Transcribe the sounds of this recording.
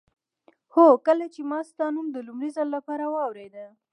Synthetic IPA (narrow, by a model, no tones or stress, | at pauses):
hokəlat͡ʃemɑst̪ɑnumd̪əlumɾizalːapɑɾawɑwɾed̪ə